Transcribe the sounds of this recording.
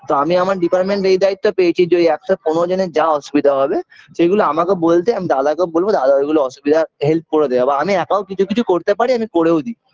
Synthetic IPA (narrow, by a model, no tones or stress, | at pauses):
t̪oamiamaɾɖipaɾʈmẽɳʈɾeid̪ait̪ːɔpejt͡ʃʰid͡ʒoiɛksekonod͡ʒened͡ʒaɔsubid̪ʱaɦɔbeseɡuloamakebolt̪eamid̪ad̪akebolbod̪ad̪aɡuloɔsubid̪ʱaɦelt̪̚ʰkoɾod̪ekabaamiɛkawkit͡ʃʰukit͡ʃʰukoɾt̪epaɽiamikoɽeud̪i